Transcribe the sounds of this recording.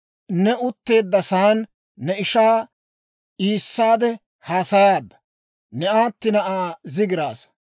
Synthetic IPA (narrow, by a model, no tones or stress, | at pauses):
nɛʔʊt̪ːe̞ːd̪ːɐsaːnː | ɛɪʃaː | ʔiːsːaːd̪ɛ | haːsɐjaːd̪ːɐ̥ | nɛaːt̪ːɪnɐʔaːzɪɡɪɾaːs